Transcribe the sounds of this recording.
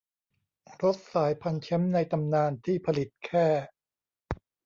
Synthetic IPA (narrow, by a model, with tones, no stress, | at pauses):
ɾo˦˥t̪̚saː˩˦jpʰa˧nt͡ɕʰɛ˦˥mna˧jt̪a˧mnaː˧nt̪ʰiː˥˩pʰa˧li˨˩t̪̚kʰɛː˥˩